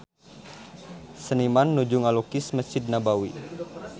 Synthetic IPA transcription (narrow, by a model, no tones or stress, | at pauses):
sənimanːud͡ʒuŋalokɪsməsid̪̚nabawi